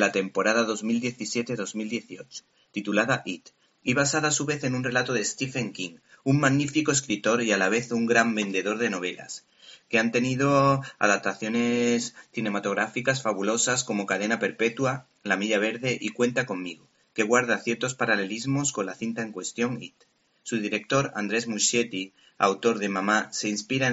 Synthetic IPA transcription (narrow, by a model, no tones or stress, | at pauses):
lat̪e̞mpo̞ɾaðaðo̞zmild̪je̞θisje̞t̪eðo̞zmild̪je̞θio̞t͡ʃo̥ | t̪it̪ulaðaʔit̪ | iβ̞asaðaːsuβe̞θe̞nunre̞lat̪oðe̞st̪ife̞ŋkiŋuŋmaɣnifiko̞eskɾit̪o̞ɾialaβ̞e̞θuŋɡɾambe̞nd̪e̞ðo̞ɾðe̞no̞β̞e̞la̰s | ke̞ant̪e̞niðoa̰ðap̚t̪aθjo̞ne̞sθine̞mat̪o̞ɣ̞ɾafikasfaβulo̞sasko̞mo̞kaðe̞nape̞ɾpe̞t̪ua | lamiʎaβ̞e̞ɾðe̞ʔikwe̞nt̪ako̞mːiɣo | ke̞ɣ̞waɾð̞aθje̞ɾt̪o̞spaɾale̞lizmo̞sko̞nlaθint̪ae̞ŋkwe̞st̪jo̞ŋit̪ | suðiɾe̞k̚t̪o̞ɾa̰nd̪ɾe̞zmuʃje̞t̪i | a̰wt̪o̞ɾðe̞mamase̞inspiɾa